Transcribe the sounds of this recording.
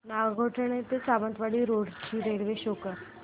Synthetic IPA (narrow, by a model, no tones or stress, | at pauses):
naɡɡʱoʈʰɳet̪et͡saʋənt̪ʋaɽiːɾoɽt͡ɕiːɾeɾʋeɕokəɾ